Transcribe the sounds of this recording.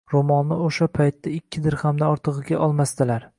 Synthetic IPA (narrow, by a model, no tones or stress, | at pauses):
ɾomɒnːɪoʃapʰajt̪ːaɪkʲʰːɪd̪ɪɾhamd̪aɒɾt̪ʰɨʁɨɡʲaʔɒlˠmast̪ɪlaɾ